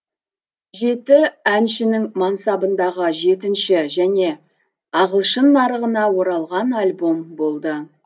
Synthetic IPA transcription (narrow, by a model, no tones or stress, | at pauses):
ʒe̞t̪ɪænʃɪnɪŋmɑnsɑbənd̪ɑʁəʒe̞t̪ɪnʃɪʒæne̞ | ɑʁəlˠʃənːɑɾəʁənɑwo̞ɾɑlˠʁɑnalʲbo̞mbo̞lˠd̪ə